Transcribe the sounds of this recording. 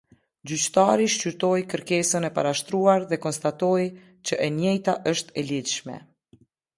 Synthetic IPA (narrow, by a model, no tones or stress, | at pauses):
d͡ʑyt͡ɕt̪aɾiʃt͡ɕyɾt̪ɔjkəɾkɛsənɛpa̰ɾaʃt̪ɾuaɾðɛkɔnst̪at̪ɔj | t͡ɕəʔɛnjɛjt̪aʔəʃt̪ɛliðʃmɛ̰